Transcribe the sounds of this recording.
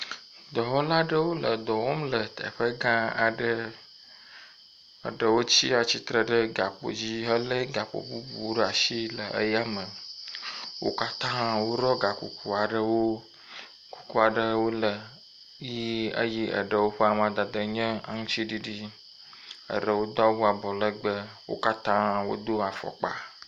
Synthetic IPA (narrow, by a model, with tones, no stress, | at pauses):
d̪ɔ˨ɦɔ˦la˦ɖə˦wo˦lə˨d̪ɔ˨wo˦mlə˨t̪ə̰˨ɸə˦ɡã˦a˨ɖə˦ | ə̰˨ɖə˨wo˦t͡ɕi˦a˨t͡ɕi˦t̪ɾə˨ɖə˦ɡa˨k͡po̰˨d͡ʑi˦ɦə˦lə˦ɡa˨k͡po̰˨bu˦bṵ˨wɖə˦a˨ʃi˦lə˨ʔə̰˦ja˦mə̃˨ | wo̰˦ka˦t̪ã˦ɦã˦wo˦ɾɔ˦ɡa˨kṵ˨kʰu˨a˨ɖə˨wo˦ | ku̥˨ku˦a˨ɖə˨wo˦lə˨ | ji˦ə̰˦ji˦ʔə̰˨ɖə˨wo˦ɸə˦a˨m˦ã˨d̪a˨d̪ə˨ɲɛ̃˦a̰˨ŋũ˦t͡ɕi˦ɖi˦ɖi˦ | ə̰˨ɖə˨wo˦d̪o˦a˦wu˦a˨bɔ˨lə˦ɡ͡bə˦wo̰˦ka˦t̪ã˦wo̰˦d̪o˦a˨fɔ̰˨k͡pa̰˨